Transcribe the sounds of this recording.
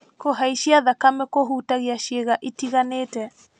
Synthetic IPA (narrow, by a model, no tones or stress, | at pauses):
koɦaiʃiaðakamɛkoɦutaɣiaʃeɣaʔitiɣaneːtɛ